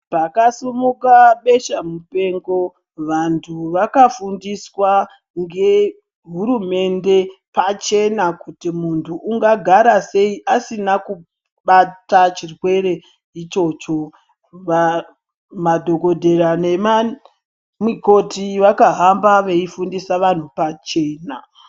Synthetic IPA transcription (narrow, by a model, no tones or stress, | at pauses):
pakasumukaɓe̞ʃamupe̞ŋɡo̞ | ʋantʰuʋakafundiswa | ŋɡe̞ | ɦuɾume̞nde̞pat͡ʃe̞nakutimuntʰuʔːŋɡaɡʱaɾase̞iʔasinaku | ɓatat͡ʃirwe̞re̞ | it͡ʃo̞t͡ʃo̞ | ʋa | madʱoɡo̞dʱe̞ɾanema | mwiko̞tʰiʋakaɦambaʋe̞ifundisaʋan̤upat͡ʃe̞ːna